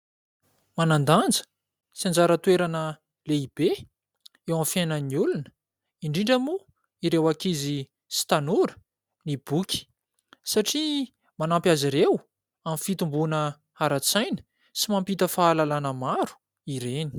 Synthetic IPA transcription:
manand̪and͡zə̥ | siand͡zaɾət̪weɾanə | leib̥e | ewãmfjanəniulunə̥ | iɳɖ͡ʐiɳɖ͡ʐəmu | iɾewakizi | si̥t̪anuɾə̥ | nib̥ukʲi̥ | saʈ͡ʂi | manampjaziɾew | amifit̪umbunə | aɾat͡sajnə̥ | simampit̪əfaːlalanəmaɾu̥ | iɾeni̥

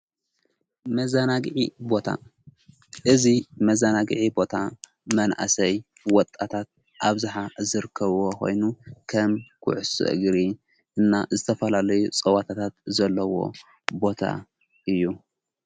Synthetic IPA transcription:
mɐzanaɡʕibo̞t̪ʰa̰ | ʔɨzimɐzanaɡʕibo̞t̪ʰa | mɐnʔa̰sɐj | wɔt̪ʼːat̪ʰat̪̚ | ʔaβzaħazɨɾɨkʰːɐβwokʰo̞̰jnukʰɐmkʰʊ̰ʕʊsɨ̰ʔɨ̰ɡɾi | ʔɨnːazɨt̪ʰɐfɐlalɐjut͡sʼɐwat̪ʰat̪ʰat̪zɐlːɐwo̞̰ | bo̞t̪ʰa̰ | ʔɨjːu

